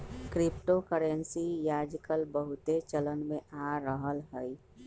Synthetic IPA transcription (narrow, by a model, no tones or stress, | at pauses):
kɾɪpʈokəɾensijaːd͡ʒkəlbəɦʊt̪et͡ʃələnmẽʔaɾəɦəlɦɛi